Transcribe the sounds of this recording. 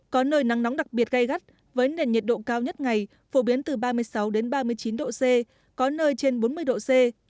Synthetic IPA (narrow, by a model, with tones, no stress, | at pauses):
kɔ˨˦nəː˧jna˨˦ŋna˨˦wŋ͡mɗa˨˩k̚ɓi˨˩ət̚ɣa˧jɣa˦˥t̚ | vəː˨˦jnḛ˨˩nɲə˨˩t̚ɗo̰˧˨kaː˧wɲə˦˥t̚ŋa˨˩j | fo˧˩ɓi˨˦ənt̪ɨ˨˩ɓaː˧mɨ˧əjsa˨˦wɗe˨˦nɓaː˧mɨ˧əjt͡ɕi˨˦nɗo̰˧˨se˧ | kɔ˨˦nəː˧jt͡ɕe˧nɓo˨˦nmɨ˧əjɗo̰˧˨se˧